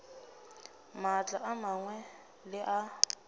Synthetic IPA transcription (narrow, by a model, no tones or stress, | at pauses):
mat͡ɬʼaʔamaŋwɛ | lɪʔa